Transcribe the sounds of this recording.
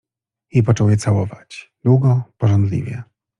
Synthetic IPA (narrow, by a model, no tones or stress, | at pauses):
jipɔt͡ʂɔwjɛt̪sawɔvat͡ɕd̪̥wuɡɔpɔʐɔnd̪lʲḭvʲjɛ̰